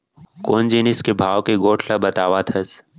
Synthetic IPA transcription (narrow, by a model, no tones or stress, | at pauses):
koːnd͡ʒinɪskebʱaːʋkeɡoːʈʰlabɐt̪aːʋat̪ʰɐs